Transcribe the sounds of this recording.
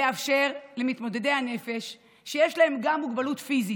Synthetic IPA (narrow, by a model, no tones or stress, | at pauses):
eafʃe̞ʁlemit̪mo̞d̪e̞d̪e̞hane̞fe̞ʃː | ejeʃlae̞mɡamːuɡbalutfizi